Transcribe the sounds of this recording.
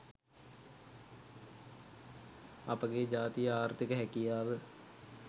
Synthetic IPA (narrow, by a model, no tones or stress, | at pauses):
ɐpəɡed͡ʒaːt̪ijəaːɾt̪ɪkəɦɛkijaːʋə